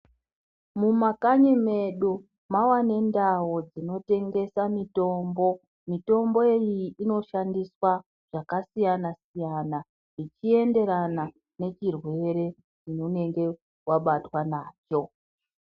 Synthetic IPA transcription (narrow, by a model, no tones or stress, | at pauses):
mumakaɲeme̞ɗo | mawane̞ndawod͡zino̞te̞ŋɡe̞samito̞ːmbo̞ | mito̞mbo̞ejiʔino̞ʃandiswa | ʐ̥akasijanasijana | ʐit͡ʃie̞nde̞ɾana | ne̞t͡ʃirwe̞ɾe̞ | t͡ʃinone̞ŋɡe̞ | waɓatwanaːt͡ʃo̞